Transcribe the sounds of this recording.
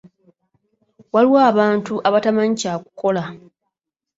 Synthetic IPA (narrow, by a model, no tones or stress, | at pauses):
waliwaːβaːntuʔaβatamaɲicaːku̥ko̞la